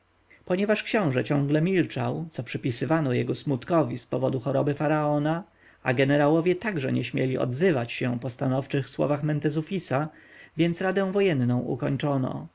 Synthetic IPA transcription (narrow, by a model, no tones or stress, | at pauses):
pɔɲɛvaʂkɕɔ̃w̃ʐɛt͡ɕɔ̃ŋɡlɛmʲilt͡ʂawt̪sɔpʂɘpʲisɘvanɔjɛɡɔsmut̪kɔvʲispɔvɔd̪uxɔɾɔbɘfaɾaɔna | a̰ɡɛnɛɾawɔvʲjɛt̪aɡʐɛ̰ɲɛɕmʲjɛlʲiɔ̰d̪zɘvat͡ɕɕɛpɔst̪anɔft͡ʂɘxswɔ̰vaxmɛnt̪ɛzufʲisavʲjɛnsɾad̪ɛ̃w̃vɔjɛnnɔ̃w̃ʔṵkɔɲt͡ʂɔnɔ̰